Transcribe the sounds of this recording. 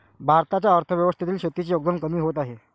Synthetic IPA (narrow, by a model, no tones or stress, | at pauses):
bʱaɾt̪at͡ɕjaəɾt̪ʰəʋjəʋəst̪ʰit̪iːlɕet̪ːit͡ɕijoɡ̚d̪əmkəmiːɦot̪aɦe